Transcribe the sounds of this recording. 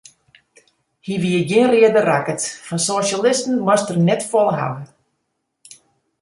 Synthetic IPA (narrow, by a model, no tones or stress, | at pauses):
hiʋiəɡjɪənrɪədərakətfɔnsoʃalɪstn̩mɔstərnɛtfɔlˠəɦa̰ʋən